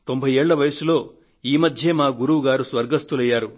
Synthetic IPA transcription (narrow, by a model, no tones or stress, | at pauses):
t̪o̞mbʱɐjeːɭːɐʋɐjɐsulo̞ː | iːmɐd̪ʱjemaːɡuɾuʋuɡaːɾusʋɐɾɡɐst̪ulɐjːaːɾu